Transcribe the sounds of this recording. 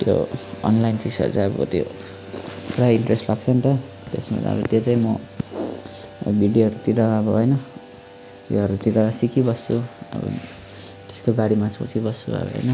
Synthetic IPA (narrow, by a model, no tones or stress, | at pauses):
t̪jo̰ʌ̰nlajnt͡sisʌ̰ɾt͡saʌbʌ̰t̪jo̰ | prajiɳʈresʈlaɡt͡sʰʌnt̪ʌ | t̪esma̰ʌ̰ɾut̪jot͡saĩmʌ | biɖjɦʌɾut̪iɾaːbʌɦʌjnʌ | t̪jo̰ɦʌɾut̪iɾaasikibʌst͡suʌ̰bʌ̰ | t̪e̥skoɡaɽimaso̰t͡sʰibʌst͡sṵbʌ̰bɦʌ̰jnʌ